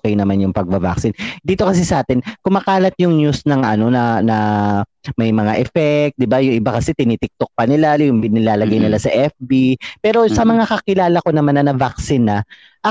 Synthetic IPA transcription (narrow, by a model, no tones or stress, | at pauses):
kɛjnɐmanjʊŋpɐɡ̚bɐva̰ksɪnd̪iːt̪o̞kɐsisɐʔaːt̪ɪnkʊmaːkaːlɐt̪̚jʊŋɲusnɐŋʔɐ̰no̞nɐnɐ | mɐjmɐŋaʔɛfɛk̚t̪̚d̪ɪbajʊŋʔɪbakɐsɛt̪ɪnit̪ɪk̚t̪ok̚pɐnɪlajʊŋbɪnɪlaːlɐɡajnɪlasɐʔɛfbipɛːɾo̞sɐmɐŋakɐkɪlaːlɐko̞nɐmaɐnɐnɐvak̚sɪnːɐ | ʔɐ